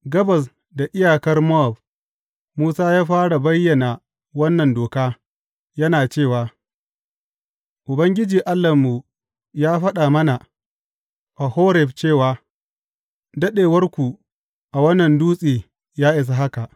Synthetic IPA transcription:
ɡɐ˦bɐ˨s̬ | da˨ʔɪ˦jaː˨kɐ˦rmɔ˦a˨b̚ | muː˦saː˦jaː˦ɸaː˦ɽa˨bɐ˦jːɐ˨na˨ | wɐ˦nːɐ˨ndoː˨kaː˦ | jɐ˦naː˨t͡ʃeː˦˨waː˨ | ʔʊ˨bɐ˦ŋɡʲɪ˦d͡ʒiː˨ʔa˦lːɐ˨mːu˨ | jaː˦ɸɐ˦ɗa˨mɐ˦na˨ | ʔa˨hoː˦ɾɛ˨ɸt͡ʃeː˦˨waː˨ | dɐ˦ɗeː˨wɐ˦rkʷu˨ | ʔa˨wɐ˦nːɐ˨nduː˦sʼiː˨ | jaː˦ʔɪ˨s̬a˨ɦa˦ka˨ʔ

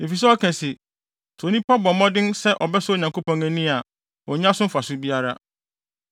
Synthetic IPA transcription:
e˨fi˨s̬ɛ˦ɔ˦kʰɛ̃˨sɪ˨ | tʰo˨nĩ˦pʰɔ˦bɔ˨mɔ̃˦dɪ̃˦nsɛ˦ʔɔ˨bɛ˦sʊ˦˨ɲã˨ŋko˦pʰɔ̃˦ŋɛ̃˦nĩ˦a˨ | ɔ˨ɲ˦ã˦sʊ̃˦fa˨sʊ˦bi˦a˦ɾa˦

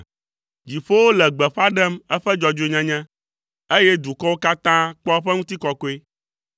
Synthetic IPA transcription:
d͡ʑi˨ɸo˦wo˦lɛ˨ɡ͡bɛ˨ɸa˦ɖɛ˦mɛ˦ɸɛ˦d͡ʒɔ˨d͡ʒe˦˨ɲɛ̃˦ɲɛ̃˦ | e˦jɛ˦d̪u˨kɔ˦wo˦ka˦t̪ã˦k͡pɔ˦ɸɛ˦ŋũ˦t̪i˦kɔ˨ko˦e˦

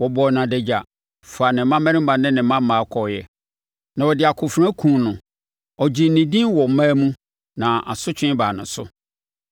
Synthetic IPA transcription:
wɔ˨bɔ˨nã˨dɛ˨d͡ʑa˨ | fa˨nɪ̃˨m̩˦mã˦mɛ̃˦ɾɪ̃˦m˦bã˨nɪ̃˦nɪ̃˨m˦mã˦mː˦ãː˨˦kʰɔ˨jɛ˨ | nã˨wɔ˨dɪ˨a˨kʰʊ˨fɾ̃ã˦kʰũ˨˦˨nʊ̃˨ | ɔ˨d͡ʑi˨˦nĩ˨dĩ˦nwɔ˨mã˦mũ˦ | nã˨a̰˨sʊ˦t͡ɕʰᶣɪ̃˦baː˨nʊ̃˨˦sʊ̰˦

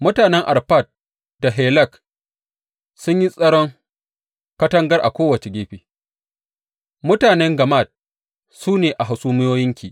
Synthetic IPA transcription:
mʊ˦taː˨nɛ˦ŋʔa˨rɸa˦˨t̚ | da˨ɦɛː˨lɐ˦˨k | sʊ˦ɲji˦sʼɐ˦ɽɔ˦ŋ | kɐ˦tɐ˦ŋɡɐ˦rʔa̰˨kʷoː˦wɐ˨t͡ʃe˨ɡʲeː˦ɸiː˨ | mʊ˦taː˨nɛ˦ŋɡɐ˨ma˦˨t̚ | suː˦neː˨ʔa˨ɦa˨suː˦mɪ˦joː˦jɪ˦ŋkʲi˨ʔ

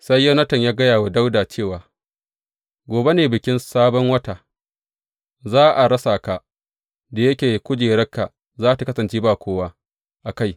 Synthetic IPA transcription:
sa˦jːɐ˦nɐ˦tɐ˨ɲjaː˦ɡɐ˦jaː˨waː˨da˦wdaː˨t͡ʃeː˦˨waː˨ | ɡʷoː˨be˦neː˨bɪ˨kʲɪ˦nsaː˦bɔ˦ŋwɐ˦ta˨ | zaː˦ʔa˨ɽɐ˦saː˨ka˨ | da˨jɐ˦kʲeː˨kʷʊ˦d͡ʒeː˨ɾɐ˦kːa˨ | zaː˦ta˨kɐ˦sɐ˨nt͡ʃeː˦baː˨kʷoː˦wa˦ | ʔa˨ka˦j

